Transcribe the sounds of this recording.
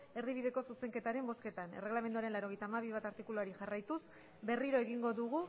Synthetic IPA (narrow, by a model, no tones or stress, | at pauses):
e̞ɾðiβ̞iðe̞ko̞suse̞ŋke̞t̪aɾe̞mbo̞ske̞t̪ane̞reɣlame̞nd̪uaɾe̞nlaɾo̞ɣe̞jt̪aːmaβ̞iβat̪aɾt̪ikuluaɾiʝarajt̪us | be̞riɾo̞e̞ɣiŋɡo̞ðuɣ̞u